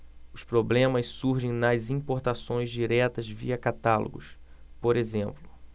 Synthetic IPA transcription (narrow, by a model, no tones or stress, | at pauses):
ʊspɾoblẽmɐssuɾʒẽj̃nɐzĩpoɾt̪asõj̃zd͡ʒiɾɛt̪ɐzvḭɐkat̪alʔo̰ɡʊ̰s | poɾezẽmplʊ